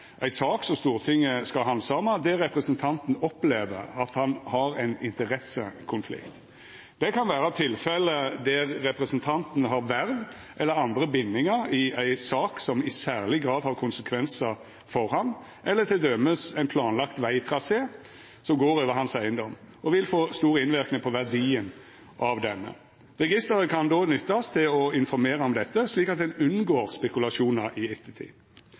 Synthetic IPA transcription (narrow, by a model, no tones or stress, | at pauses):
ʔæɪsɑːksɔmst̪uːʁt̪ʰɪŋːəskɑɦɑnsɑːmɑd̪ɛɾɛpɾəsənt̪ʰɑnt̪n̩ɔpleːʋə̰ɾɑt̪hɑnhɑɾæɪnɪnt̪əɾɛsːə̰kʰʊnflɪ̰kt̪ | d̪ɛkʰɑnʋæːɾɑt̪ʰɪlfɛləd̪æɾɛpɾəsənt̪ʰɑnt̪n̩ɦɑɾʋæɾʋ | ʔɛlːəɾɑnd̪ɾəbɪnːɪŋəɾɪæɪsɑːksɔmɪsæːʁlɪɡɾɑːd̪hɑʁkʰʊnsəkʰʋɛnsə | fɔɾhɑn | ʔɛlːəɾt̪ʰɪld̪œməsæɪnpʰlɑːnlɑkt̪ʋæɪt̪ʰɾɑseː | sɔmɡoːɾøːʋəhɑnsæɪənd̪ɔm | ʔɔʋɪlfoːst̪uːɾɪnʋɪɾknɪŋpʰɔʋæʁd̪iːən | ʔɑʋd̪ɛnːə̰ | ʁɛɡɪst̪əɾəkʰɑnd̪oːnʏt̪ːɑst̪ʰɪlɔɪnfɔɾmeːɾəɔmd̪ɛt̪ːəsliːkɑt̪̚d̪ɛnʉnɡoːɾspɛkʉlɑʂuːnɑɾʔɪɛt̪ʰːət̪ʰḭ